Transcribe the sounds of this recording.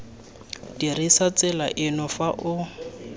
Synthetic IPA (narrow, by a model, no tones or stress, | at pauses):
dirisat͡sɪla̰ʔɪnʊfaʔʊ